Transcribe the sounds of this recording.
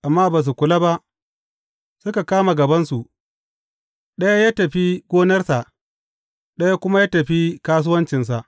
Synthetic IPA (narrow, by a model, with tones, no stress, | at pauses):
ʔa˨mːaː˦baː˨s̬u˨kʷʊ˨la˦ba˦ʔ | sʊ˦ka˨kaː˦ma˨ɡɐ˨bɐ˦nsu˨ʔ | ɗɐ˦ja˦jaː˦tɐ˨ɸi˦ɡʷoː˦nɐ˦rsa˨ʔ | ɗɐ˦ja˦kʷʊ˦ma˦jaː˦tɐ˨ɸi˦kaː˦s̬ʊ˦wɐ˦nt͡ʃɪ˨ns̬a˨ʔ